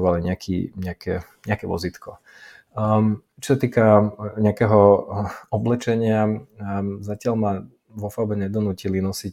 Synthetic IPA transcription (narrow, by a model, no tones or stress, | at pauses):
ʋaliɲakʰḭɲɛakʰɛ | ɲɛakɛʋɔ̰zit̪kɔ | t͡ʃɔsat̪iːkaɲɛakɛɦɔ | ɔblɛt͡ʃɛɲɪa | zacɪalma | ʋɔfaʊbɛɲɛd̪ɔnuːcilinɔsic